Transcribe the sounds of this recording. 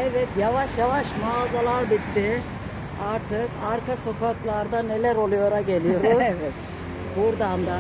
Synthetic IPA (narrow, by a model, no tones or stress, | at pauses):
ɛvɛt̪javaʃjavaʃmaːzalˠaɾbit̪ːɪ | aɾt̪ʰɯkaɾkʰaso̞kʰaklˠaɾd̪ane̞lʲæɾo̞lˠujoɾaɟe̞lijo̞ɾuzɛt̪ | buɾd̪and̪a